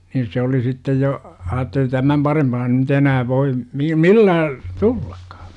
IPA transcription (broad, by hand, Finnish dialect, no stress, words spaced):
niːn̞ se oli sitːej jo ɑːtːeli tæmæm pɑrempɑː nyt enæː ʋoi mi milːæː tulːɑ̥kːɑ̥